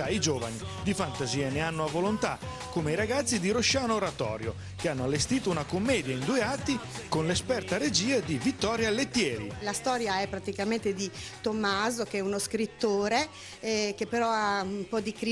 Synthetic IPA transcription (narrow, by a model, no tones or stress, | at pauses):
aid͡ʒoːva̰ni | d̪ifant̪aziːeneanːoavːolont̪a̰ | kːomeijɾaɡat̪sːid̪iɾoʃːaːnoɾat̪ɔ̰ːɾjo̰ | keanːoalːest̪iːt̪ounakomːɛːd̪jaind̪uːeat̪ːikonlespɛrt̪aɾed͡ʒiːed̪ivit̪ːɔɾjalet̪ːjɛːɾḭlast̪ɔːɾjaɛpːɾat̪ikament̪ed̪it̪omːaːzokeɛunoskɾit̪ːoːɾe | k̟epːeɾɔaumpɔd̪ikɾi